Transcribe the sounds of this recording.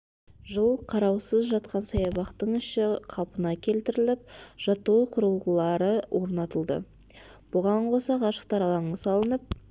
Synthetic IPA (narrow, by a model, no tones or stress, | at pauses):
ʒəlˠqʰɑɾɑwsəzʒɑt̪qɑnsɑjɑbɑqt̪əɴɪʃɪqʰɑlˠpənɑkʲʰe̞lt̪ɪɾɪlɪp̚ʒ̥ɑt̪uwəqʰʊɾəlˠʁəlˠɑɾəwʔo̞ɾnɑt̪əlˠd̪ə̰ | b̥ʊʁɑɴqʰo̞sɑqɑʃə̥q̚t̪ɑɾɑlˠɑɴəsɑlˠənəp̚